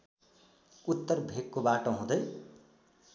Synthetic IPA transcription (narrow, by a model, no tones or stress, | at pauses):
ut̪ːʌrbʱekkobaʈoɦũd̪ʌj